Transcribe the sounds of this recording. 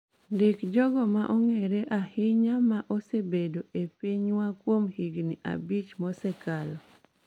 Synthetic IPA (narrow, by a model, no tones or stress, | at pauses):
ndɪkd͡ʒɔɡɔmaʔɔŋeɾeʔahɪɲamaʔɔsebedoʔepiɲwakwomhiɡniʔa̰bit͡ʃmɔsɛkalɔ